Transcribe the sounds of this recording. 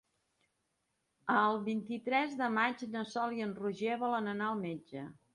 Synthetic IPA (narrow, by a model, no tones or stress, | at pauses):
əlˠβint̪it̪ɾɛzðəmad͡ʒnəsɔliənruʒeβɔlənənaəlˠmed͡ʒə